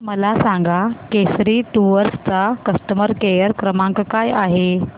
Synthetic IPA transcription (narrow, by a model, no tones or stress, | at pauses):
məlasãŋɡakesɾiːʈuʋəɾst͡sakəst̪əməɾkejəɾkɾəmãŋkkajaɦe